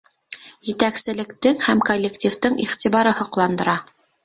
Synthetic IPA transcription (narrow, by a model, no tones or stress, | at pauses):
jɘ̆t̪æksɘ̆lɘ̆kt̪ɘŋhæmkolʲːektʲift̪ɤŋiχt̪ʲiβɑɾɤhɤ̆qlˠɑnd̪ɤ̆ɾɑ